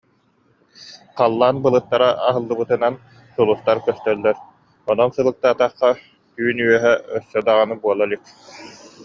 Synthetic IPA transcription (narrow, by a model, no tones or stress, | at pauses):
qalˠːaːnbɯlˠɯt̪ːaɾaʔaɦɯlˠːɯbɯt̪ɯnan | sulˠust̪aɾkœst̪œlːɛɾ | ɔnɔnsɯlˠɯk̚t̪aːt̪aχːa | yːnyœɦɛœsːœd̪aʁanɯbuɔlˠalik̚